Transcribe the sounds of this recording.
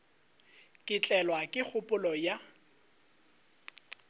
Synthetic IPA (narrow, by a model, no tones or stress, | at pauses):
kʼɪt͡ɬʼɛlwakʼɪk͡xʰʊpʼʊlɔja